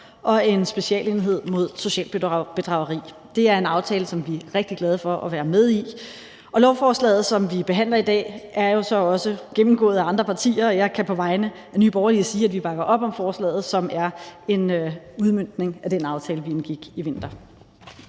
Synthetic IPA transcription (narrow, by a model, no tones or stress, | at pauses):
ʔɒ̽e̝nsb̥e̝ɕiɛ̰ːle̝ːniɦe̝ð̞̰ˠmo̝ð̞ˠso̝ɕɛ̰ːl̥b̥e̝d̥ʁɑ̈ʊɐʁḭː | d̥e̝æɐe̝nɑ̈ʊt͡sʰɛːləsɒ̽mʋiæʁeɡ̥̚d̥iɡ̥lɛð̞ˠəfɒ̽ʔɒʋæːɐmeð̞ˠi | ʔɒ̽lɒʊfɒːslɛ̰ːð̩ˠsɒ̽mʋib̥e̝ɦæn̰lɐid̥ɛ̰ːæɐjo̝sɒ̽ɒ̽səɡ̥emm̩ɡ̥ɔ̰ːð̩ˠæɑ̈nd̥ʁɐpʰɑ̈t͡sʰḭːɐːjɑ̈ɪkʰæpʰɒ̽ʋɑ̈ɪnə | ænyːb̥ɒʊɐliəsiːæd̥ʋib̥ɑ̈ɡ̥ɐʔɒ̽b̥ɒ̽mfɒːslɛ̰ːð̩ˠsɒ̽mæɐe̝n | uðˠmøn̰d̥ne̝ŋæd̥enɑ̈ʊt͡sʰɛːləʋienɡ̥iɡ̥iʋe̝n̰d̥ɐ